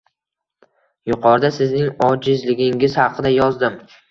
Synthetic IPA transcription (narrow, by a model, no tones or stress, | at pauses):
jʊqʰɒɾd̪asɪznɪŋɒd͡ʒɪzlɪɡʲɪŋɪzhɑqʰɨd̪ajɒzd̪ɪm